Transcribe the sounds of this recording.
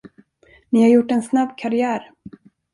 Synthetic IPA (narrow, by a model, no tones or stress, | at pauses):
nɪhaɾjʊʈːɛnsnabːkʰaɾɪæːɾ